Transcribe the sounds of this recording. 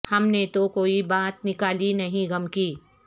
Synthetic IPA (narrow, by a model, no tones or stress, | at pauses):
hɐmnet̪okoːibaːt̪̚nɪkaːlinɐɦĩɡɐmkiː